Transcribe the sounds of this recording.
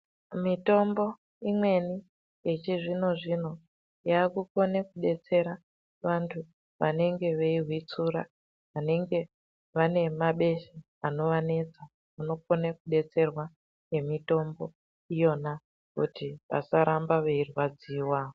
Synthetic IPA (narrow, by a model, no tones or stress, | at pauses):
mito̞mbo̞ | imwe̞ni | jet͡ʃiʐino̞ʐino̞ | jaːkuko̞nekuɗe̞t͡se̞ɾa | ʋantʰu | ʋa̰ne̞ŋɡe̞ʋeiɦwit͡suːɾa | ʋane̞ŋɡe̞ | ʋane̞maɓe̞ʃe | ano̞ʋane̞t͡sa | uno̞po̞nekuɗe̞t͡se̞rwa | je̞mito̞mbo̞ | ijo̞na | kṵtiʋa̰saɾambaʋeirwad͡ziːwaːo